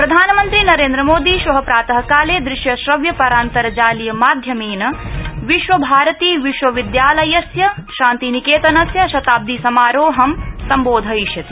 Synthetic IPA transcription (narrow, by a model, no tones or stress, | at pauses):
pɾɐd̪ʱaːnɐmɐnt̪ɾinɐɾeːnd̪ɾɐmoːd̪iʃʋɐɦɐpɾaːt̪ɐɦɐkaːleːd̪ɾɪʃjɐʃɾɐʋjɐpɐɾaːnt̪ɐɾɐd͡ʒaːlijɐmaːd̪ʱjɐmeːnɐʋiʃʋɐbʱaːɾɐt̪iːʋiʃʋɐʋid̪jaːlɐjɐsjɐʃaːnt̪inikeːt̪ɐnɐsjɐʃɐt̪aːb̚d̪isɐmaːɾoːɦɐmsɐmboːd̪ʱɐiʃjɐt̪i